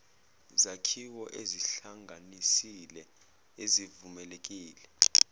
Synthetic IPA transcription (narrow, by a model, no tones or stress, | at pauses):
zakʰiwɔʔeziɬaŋɡʱanisilɛ | ezivumɛlek̬ʼiːlɛ